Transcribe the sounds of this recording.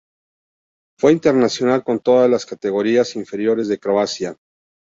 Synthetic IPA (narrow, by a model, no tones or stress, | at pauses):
fwe̞int̪e̞ɾnasjo̞nalko̞nt̪o̞ðazlaskat̪e̞ɣo̞ɾiasiɱfe̞ɾjo̞ɾe̞zðe̞kɾo̞asja